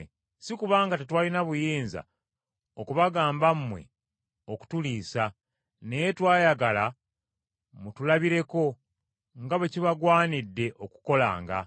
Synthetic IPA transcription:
sikuβaːŋɡatetwaːlinaβujiːnza̰ | o̞kuβaɡaːmbammwe̞̰ | o̞ku̥tuliːsa | ne̞jetwaːjaɡala | mutulaβiɾe̞ko̞ | ŋɡaβeciβaɡwaːnidːe̞ʔo̞ku̥ko̞la̰ːŋɡa̰

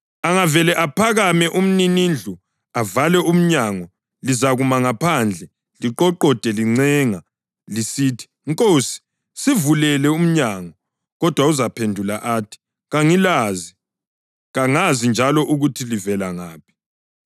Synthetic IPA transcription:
aŋavɛlɛʔapʰaɣamɛʔum̩ninind͡ɮʱu | avalɛum̩ɲaŋɔ | lizaɣumaŋapʰand͡ɮʱɛ | liǃɔǃɔd̥ʼʱɛliŋ͡ǀɛːŋa | lisiːtʰi̥ŋkʼoːsi̥ | sivulɛlɛum̩ɲaŋɔ | ɣɔd̥ʱwauzapʰendʱula̰ʔaːtʰi̥ | ɣaŋilazi | ɣaŋazind͡ʒʱalɔʔuɣutʰilivɛlaŋaːpʰi̥

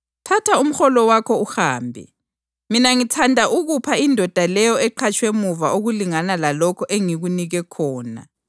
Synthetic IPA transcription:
tʰatʰaum̩xɔlɔwakʰɔuxaːmbʱɛ̰ | minaŋitʰandʱaʔuɣupʰaindʱɔd̥ʱalɛjɔɛǃʰat͡ʃʼwemuvaʔoɣuliŋanalalɔkʰɔʔeŋiɣuniɣɛkʰɔːna̰

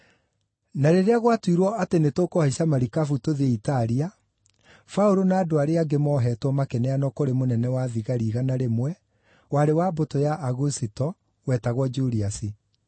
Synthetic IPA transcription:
naɾeɾeaɣwatwiɾwɔatenetokohaisamaɾikafutoðeitaɾia | faoɾonaːdoaɾeaɡemɔːɦɛːtwɔmakɛnɛanɔkoɾemonɛnɛwaðiɣaɾiːɣanaɾemwɛ | waɾewabotojaʔːɣusitɔ | wɛtaɣwɔd͡ʒuɾiasi

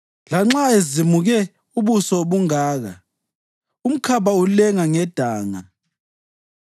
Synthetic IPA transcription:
laŋ͡ǁaezimuɣɛ | uβusɔɓuŋaːɣa̰ | um̩kʰaβaulɛŋaŋɛd̥ʱaːŋa

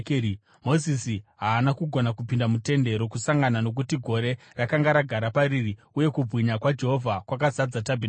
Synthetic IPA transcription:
kː | mo̞zisiɦaːnakuɡʱo̞nakupindamute̞nde̞ɾo̞kusaŋɡanano̞k̬utiɡʱo̞ɾe̞ | rakaŋɡaɾaɡʱaɾapaɾiri | uje̞kub͡vʱwiɲakwad͡ʒe̞ɦo̞vʱakwak̬azad͡zatabʱin

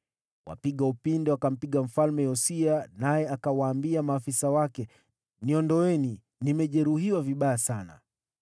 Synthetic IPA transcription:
wa̰piɠaupindɛwakam̩piɠam̩falmɛjɔsianajɛakawaːmbiamaːfisawakɛ | niɔndɔwɛni | nimɛʄɛɾuhiwaviɓajasana̰

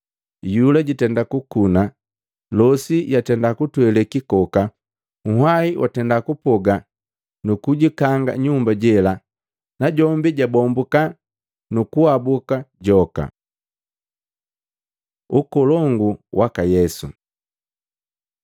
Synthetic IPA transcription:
julaɟitɛndakukuna | lɔsijatɛndakutwɛlɛkikɔka | muɦwaiwʔa̰tɛndakupɔɡa | nukuɟikaŋɡa̰ɲumbaɟɛla | naɟɔmbiɟabɔmbuka | nukuabukaɟɔka̰ | ukɔlɔŋɡuwʔakajɛsṵ

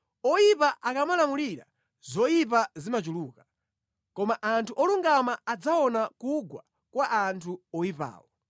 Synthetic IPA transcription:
ɔipaʔakamalamuliɾa̰ | zɔipazimat͡ʃuluːka | kɔmaʔantʰuʔɔluŋɡamaːd͡zaɔnakuɡwa | kwaʔantʰuɔipa̰ːwɔ

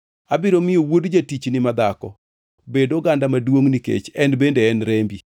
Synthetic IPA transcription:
abɪɾomɪjowodd͡ʒatit͡ʃnɪmad̪akɔ̰ | bedoɡandamadwoŋnikḛt͡ʃɛnbendeɛnɾembi

